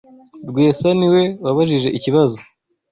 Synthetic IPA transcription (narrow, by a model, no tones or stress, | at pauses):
ɾɡweːsaniwe̞waβaʒiʒe̞ʔiciβazo